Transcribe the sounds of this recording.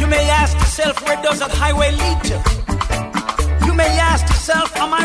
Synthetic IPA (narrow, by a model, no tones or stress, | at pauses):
jɨmeɪæskjə˞sɛlˠfwɪ̃ndoʊzət̚haɪweɪlid͡ʒə | jɨmeɪæskjə˞sɛlˠfə̃maɪ